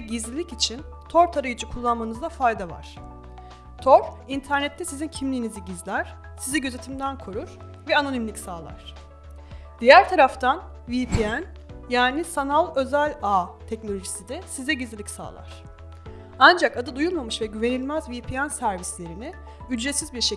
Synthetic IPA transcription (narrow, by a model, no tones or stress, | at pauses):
ɛɟizlʲilʲicit͡ʃʰin | t̪ʰo̞ɾt̪ʰaɾɯjɯd͡ʒɯkʰulˠːanmanɯzd̪ˠafajd̪ava̰ɾ̝̥ | t̪ʰoɾint̪ʰæɾnɛt̪ʰːɛsizincʰimlʲiːniziɟizlʲæɾ̥ | sizɛɟø̞ze̞t̪ʰimd̪ænkʰo̞ɾuɾ̥ | vɛano̞nimlʲicʲsaːlˠa̰ɾ̥ | d̪̥ijæɾt̪ʰaɾaft̪ʰan | vipʰiæn | jaːnisanalˠø̞zælʲat̪ʰɛcnolʲo̞ʒisid̪ɛsizɛɟizlʲilʲicʲsa̰ːlˠa̰ɾ̥ | and͡ʒakad̪ɯd̪ujulˠmamɯʃvɛɟyve̞nilʲmæzvipʰiænsæɾvislʲe̞ɾinɪ | yd͡ʒɾet̪sizbiɾʃe